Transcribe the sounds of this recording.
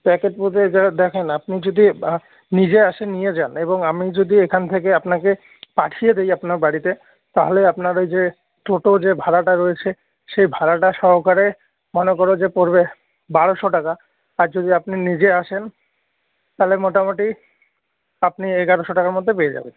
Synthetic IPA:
pɛkeʈput̪ed̪ɛkʰenapnid͡ʑod̪i | nid͡ʑeaʃenijed͡ʑaneboŋamid͡ʑod̪iekʰanet̪ʰekeapnake | paʈʰijed̪ejapnaɾbaɽit̪e | t̪aɦoleapnaɾejd͡ʑe | ʈoʈod͡ʑebʱaɾaʈaɾoet͡ɕʰe | ʃejbʱaɾaʈaʃɔɾokaɾe | mɔnekɔɾod͡ʑepoɾbe | baɽoʃoʈaka | aɾd͡ʑod̪ʱiapninid͡ʑeaʃen | t̪alemoʈamoʈi | apnieɡaɾoʃoʈakaɾmod̪ʱːepeed͡ʑa̰ben

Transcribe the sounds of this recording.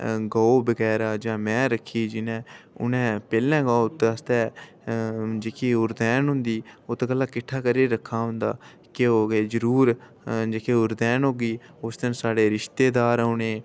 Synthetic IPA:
ɡaːoːbəɡɛːɾaːd͡ʒãːmɛ̃ːɾəkʰːiːd͡ʒɪnɛ̃ːʊ̰nɛ̃ːpɛːlɛ̃ːɡaot̪ːəst̪ɛː | d͡ʒeːkʰiːʊɾd̪ɛːnɦʊ̃nd̪iːoːt̪eːkəlːaːkɪʈʰːaːkəɾeːɾəkʰːaːɦʊ̃nd̪a̰ː | keoːɡeːzəɾuːɾ | d͡ʒeːkʰeːʊɾd̪ɛːnɦoːɡiː | ʊsd̪ənsaːɖeːɾɪʃt̪eːd̪aːɾʊnẽː

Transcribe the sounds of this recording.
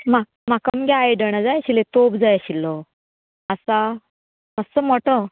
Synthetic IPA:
ma | makamɡʲajɖəɳ̃ad͡zajaɕilet̪obd͡zajaɕilɔ | asa | məssəm̤ɔʈə

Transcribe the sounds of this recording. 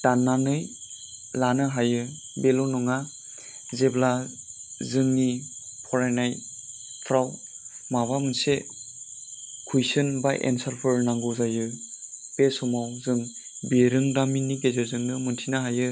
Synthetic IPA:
tanːanɯj | lanɯɦajɯ | belɔnɔŋa | zebla | zɯŋnipʰɔɾajnaj | tʰɾaw | mabamɯnse | kʰujsɯnba̰jʔḛnsalpʰɯɾnaŋɡuzajɯpesɔmawzɯŋbeɾɯŋdaminːiɡezazɯŋnɯmɯntʰinaɦajɯ

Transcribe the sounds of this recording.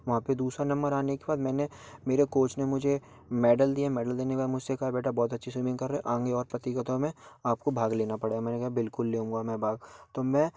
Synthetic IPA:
ʋɐɦãped̪uːsɾanɐ̃mbəɾaːnekebaːd̪mɛ̃ːne | meːɾekoːt͡ʃnemʊd͡ʒʱe | mɛːɖəld̪iaɦmɛːɖəld̪eːneʋaːlmʊd͡ʒʱsekɐɦabeːʈʰabɔːt̪̬ɐtːʃʰisiːmɪ̃ŋɡkɐɾːɛeʔãːŋɡeɔːɾpɾɐt̪ɪkət̪õmẽaːp̚kobʱaːɡleːnapɐɽeːɡamɛːnekɛɦabɪlkʊlːeːũːŋɡamɛ̃ːbʱaːɡ̚t̪omɛ̃ː

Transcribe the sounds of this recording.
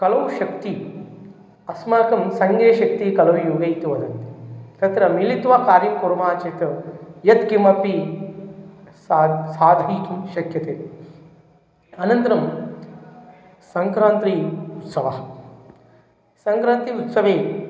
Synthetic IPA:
kɐlɐwʃɐkt̪i | ɐsmaːkɐmsɐŋɡeːʃɐk̚t̪ikɐlɐʋjuːɡɐjt̪uʋɐd̪ɐnt̪it̪ɐt̪ɾɐmilit̪ʋaːkaːɾjɐkoɾmaːt͡ʃet̪ɐjɐt̪kimɐpi | saːd̪ʱɐjkɐmʃɐkjɐt̪eː | ɐnɐnt̪ɐɾɐm | sɐŋkɾaːnt̪ɾiut̪sɐʋɐ̰ | sɐŋkɾaːnt̪iut̪sɐʋeː

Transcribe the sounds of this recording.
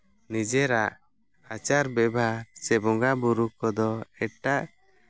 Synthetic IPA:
nid͡ʒɛɾaʔ | at͡ʃaɾbɛbʱaɾsɛbɔŋɡabuɾukɔd̪ɔɛʈaʔ

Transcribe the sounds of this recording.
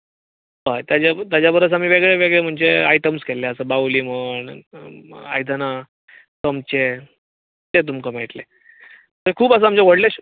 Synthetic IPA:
ɦət̪jad͡ʑat̪jad͡ʑjabʱəɾət͡sam̤iːʋeɡɭeʋeɡɭem̤əɳd͡zeajʈəmskeleəsəbawliməɳ | a̰jd̪ʱəna | kəmt͡ɕe | t̪et̪̬umkəmeʈle | əkʰuːpəs̬əamd͡ʑeʋəɽleɕ

